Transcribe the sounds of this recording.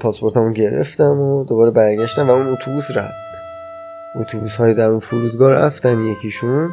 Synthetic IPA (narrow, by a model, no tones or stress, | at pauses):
pʰɒːspo̞ɾt̪ʰæmunɟe̞ɾḛft̪æmod̪obɒːɾebæɾɟæʃt̪æmvæunot̪ʰubuːsɾæ̰ft̪ | ʔot̪ʰubushɒːjid̪æɾunfuɾuːd̪ɡɒːɾæ̰ft̪ænjecʰiʃun